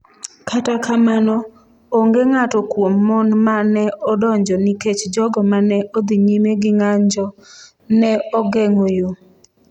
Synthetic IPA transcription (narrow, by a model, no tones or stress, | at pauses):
katakamanɔ | oŋɡeŋatɔkwomːɔnmanɛʔɔdɔɲd͡ʒɔniket͡ʃd͡ʒɔɡɔmanɛʔod̪iɲimeɡɪŋaɲd͡ʒɔ | nɛɔɡeŋojo